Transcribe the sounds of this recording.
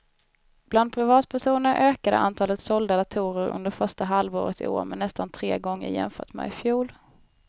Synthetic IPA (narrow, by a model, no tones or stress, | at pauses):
b̥land̪̚pʰɾɪvɑːt̪̚pʰæʂuːnəɾʔøːkad̪ə̰ʔa̰nt̪ʰɑːlət̪sɔld̪ad̪at̪ʰuːɾəɾɵ̰nd̪əɾfœʂʈaɦalvo̰ːɾət̪ʰɪ̰o̰ːɾmɛnɛst̪ant̪ʰɾḛːɡɔŋːə̰ɾjɛ̰mfœːʈmɛ̰fjuːl